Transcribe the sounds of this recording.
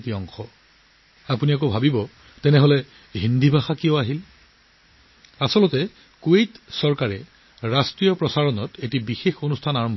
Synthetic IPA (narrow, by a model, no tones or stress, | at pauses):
tiɔŋxɔ | apuniak̬obʱabibɔ | tɛnɛɦɔlɛ | ɦindʱibʱaxakiɔaɦil | asɔlɔtɛ | kuejtsɔɹkaɹɛ | ɹastɹijɔpɹɔsaɹɔnɔtetibixexonustʰanaɹɔmbʱɔ